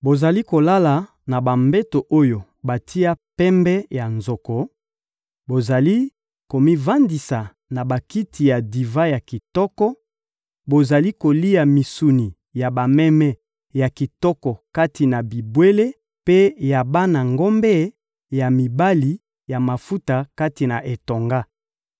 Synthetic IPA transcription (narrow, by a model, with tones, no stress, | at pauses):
bo˨za˨li˦ko˨la˦la˨ | na˨ba˨mbɛ˦to˨ʔo˦jo˨ | ba˨tʰi˦a˦pɛ˦mbɛ˦ja˨nzɔ˨kɔ˨ | bo˨za˨li˦ | ko˨mi˦va˦ndi˨sa˨ | na˨ba˨ki˦ti˨ja˨di˨va˦ja˨ki˨tɔ˦kɔ˦ | bo˨za˨li˦ko˨li˦a˨mi˨su˨ni˨ | ja˨ba˨mɛ˦mɛ˦ | ja˨ki˨tɔ˦kɔ˨ka˦ti˨na˨bi˨bwe˦le˦ | pe˦ja˨ba˦na˨ŋɡɔ˦mbɛ˦ | ja˨mi˨ba˦li˨ | ja˨ma˨fu˦ta˨ka˦ti˨na˨ʔe˨to˨ŋɡa˦